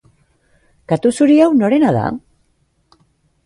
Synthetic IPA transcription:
kat̪usuɾiawno̞ɾe̞naða̰

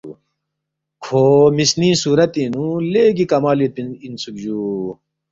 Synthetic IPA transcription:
kʰoːmisnĩsuːɾɐt̪inũleːɡikɐmaːlit̪insuk̚d͡ʑuː

